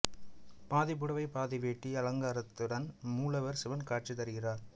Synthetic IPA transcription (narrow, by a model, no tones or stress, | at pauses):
paːðɪpːɯɽɐʋɐɪpaːðɪʋeːʈːiɐlɐŋɡaːɾɐt̪ːɯɽɐnmuːlɐʋɐɾsɪʋɐnkaːʈ̚t͡ʃit̪ɐɾɯɣɪraːɾ